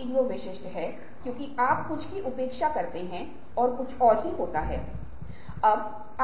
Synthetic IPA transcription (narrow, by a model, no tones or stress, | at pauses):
ɪnɡoːʋɪʃɪsʈɦɛː | kjõːkiaːpkʊt͡ʃʰkiʔʊpeːkʃakɐɾt̪eɦɛ̃ | ɔːɾkʊt͡ʃʰɔːɾɦiɦoːt̪aɦɛ̰ː | ɐb | a